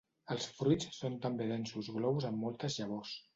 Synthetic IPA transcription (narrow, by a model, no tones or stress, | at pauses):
əlˠsfɾujt͡sːont̪əmbeðɛnsuzɣlɔβuzəmːɔlˠt̪əzʎəβɔs